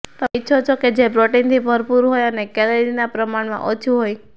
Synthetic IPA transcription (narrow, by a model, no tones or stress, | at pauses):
t̪əitːʃʰot͡ʃʰɔked͡ʒebɾoʈint̪ʰibʱəɾpuɾɦojənekɛleɾinapɾəmaɳmã̰ʔot͡ʃʰuɦoj